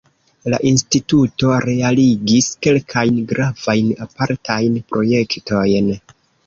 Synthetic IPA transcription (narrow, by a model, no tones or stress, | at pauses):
la̰ʔinstituto̞ɾe̞aliɡiske̞lkʰajnɡɾav̥ajnapaɾtʰajnpɾo̞je̞kto̞jn